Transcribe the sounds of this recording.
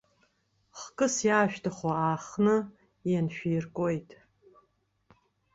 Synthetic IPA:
χkʼɨsjaːʃᶣtʰaχaaːχnɨ | janʃᶣijrkʷʼojtʼ

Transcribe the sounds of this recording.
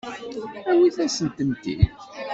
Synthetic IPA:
æwiθæsənt̪ənt̪ḭ

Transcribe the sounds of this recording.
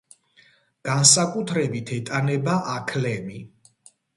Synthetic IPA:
ɡ̥ansakʼut̪ʰɾɛbit̪ʰɛt̪ʼanɛbaʔakʰlɛmi

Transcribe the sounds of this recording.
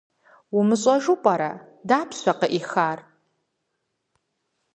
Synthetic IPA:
wumɨɕʼɐʒupʼɐɾɐ̰ | daːpʰɕʷɐqəʔixaːr

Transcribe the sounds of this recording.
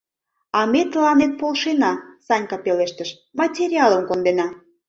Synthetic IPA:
ɑmet̪əlɑnet̪̚polʃenɑsɑnʲkɑpeleʃt̪əʃ | mɑtʲeɾʲiɑləmkond̪enɑ

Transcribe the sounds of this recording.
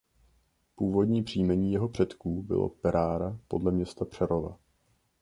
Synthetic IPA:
puːvo̞dɲiːpr̝̥iːmɛɲiːjɛɦo̞pr̝̥ɛt̪kuːbɪ̰lo̰pɛɾʔaːɾapo̞dlɛmɲɛst̪apr̝̥ɛɾo̞va̰

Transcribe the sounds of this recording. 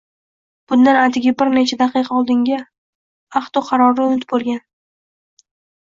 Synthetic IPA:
b̥ʊnd̪anat̪ʰɪɡʲɪbɪɾnet͡ʃʰad̪aqɨjqʰɑɒlˠd̪ɪŋɡʲa | aχt̪ɒqʰɑɾɒɾɪʊnɪt̪̚bolˠɡʲan

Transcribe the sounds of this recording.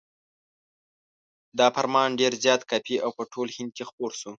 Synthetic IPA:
d̪ɑfaɾmɑnɖeɾzjɑt̪kapʰiawpəʈʰolhɪnd̪̚kexpoɾsu

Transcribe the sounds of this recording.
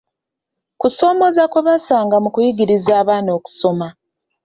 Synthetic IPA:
kuso̞ːmo̞zakwe̞βasaːŋɡamukujiɡiɾizaːβaːno̞ːku̥so̞ma

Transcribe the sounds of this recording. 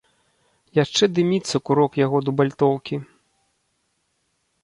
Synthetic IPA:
jaʂt͡ʂɛd̪ɨmʲit̪sːɐkuɾɔkjaɣɔd̪ubalʲt̪ɔwkʲi

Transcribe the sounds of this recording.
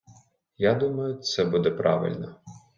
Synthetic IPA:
jad̪umɐjʊt̪sɛbud̪ɛpɾɑ̰ʋɪ̰lʲnɔ

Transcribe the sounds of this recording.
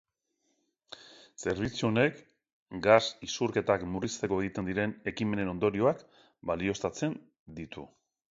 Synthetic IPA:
se̞ɾβ̞it͡suo̞ne̞k | ɡasisurke̞t̪akmurist̪e̞ko̞e̞ɣ̞it̪e̞nd̪iɾe̞ne̞kime̞ne̞no̞nd̪o̞ɾio̞ak | balio̞st̪at͡se̞n | d̪it̪ṵ

